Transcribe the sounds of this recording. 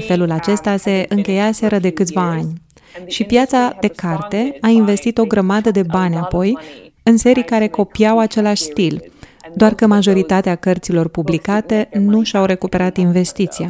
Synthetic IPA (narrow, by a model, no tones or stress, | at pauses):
fe̞lulat͡ʃe̞st̪ase̞ʔɨŋkʲe̞jaseɾəd̪e̞kɨt̪sʲvaːnʲ | ʃipjat̪sad̪e̞kart̪e̞ainve̞st̪it̪o̞ɡɾəmad̪əd̪e̞banʲapo̞j | ɨnse̞ɾikaɾe̞ko̞pijawat͡ʃe̞laʃʲst̪ild̪oarkəmaʒo̞ɾit̪at̪eakərt̪silo̞rpublikat̪e̞nuʃawɾe̞kupe̞ɾat̪inve̞st̪it̪sia